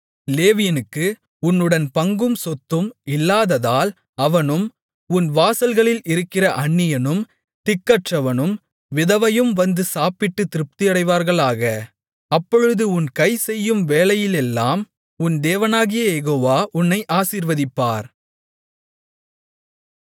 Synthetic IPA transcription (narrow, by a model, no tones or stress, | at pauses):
leːʋɪjɐnɯkːɯ | ʊnːɯɽɐnpɐŋɡɯmsɔt̪ːɯmɪlːaːðɐðaːl | ɐʋɐnɯm | ʊnʋaːsɐlɣɐɭɪlɪɾɯkːɪrɐʔɐɳːɪjɐnɯm | t̪ɪkːɐʈrɐʋɐnɯm | ʋɪðɐʋɐjɯmʋɐnd̪ɯsaːpɪʈːɯt̪ɪɾɯp̚t̪ɪjɐɽɐɪʋaːɾɣɐɭaːɣɐ | ɐpːɔɻɯðɯʊnkɐɪsɛjːɯmʋeːlɐjɪlɛlːa̰ːm | ʊnd̪eːʋɐnaːɣɪjɐjɛɣoːʋaːʔʊnːɐɪʔaːsiːɾʋɐðɪpːaːɾ